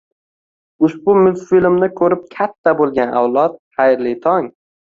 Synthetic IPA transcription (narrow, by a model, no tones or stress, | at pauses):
ʊʃbʊmɪlfilmnɪkʰɵɾɪp̚kʲʰat̪ʰːabolˠɡʲana̰wlˠɒt̪̚hajɾlɪt̪ʰɒŋ